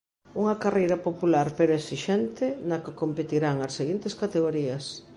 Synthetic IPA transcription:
uŋɐkarejɾɐpopulaɾpeɾoesiʃɛnt̪ɪnɐkɪkompet̪iɾaŋɐseɣint̪eskat̪eɣoɾiɐs

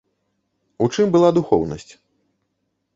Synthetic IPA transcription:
ut͡ʂɨmbɨlˠad̪uxɔwnɐ̰sʲt͡sʲ

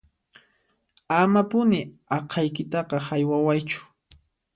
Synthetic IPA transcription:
amapʊnɪɑqʰɑjkɪt̪ɑqɑhajwawajt͡ʃʊ̥

